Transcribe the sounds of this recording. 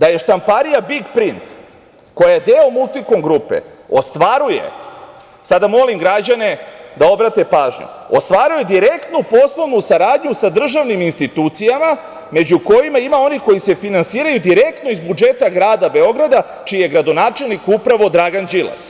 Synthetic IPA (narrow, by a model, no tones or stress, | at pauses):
d̪aje̞ʃt̪ampaɾijabiɡpɾint̪ | ko̞jajed̪eːomulˠt̪ikomɡɾuːpe̞̰ | ost̪ʋaɾuje̞̰ | sad̪amo̞limɡɾad͡ʑane̞d̪ao̞bɾat̪e̞paːʒɲṵ | ost̪ʋaɾuje̞d̪iɾe̞kt̪nupo̞slˠo̞ʋnusaɾaːd̪ɲusad̪r̩ʒaʋniminst̪it̪ut̪sijama | me̞d͡ʑuko̞jimaimao̞niko̞jise̞finansiːɾajud̪iɾe̞k̚t̪no̞izbud͡ʒe̞t̪aɡɾaːd̪abe̞o̞ɡɾad̪a | t͡ʃijeɡɾad̪o̞naːt͡ʃe̞lˠnikupɾaʋo̞d̪ɾaɡand͡ʒilˠa̰s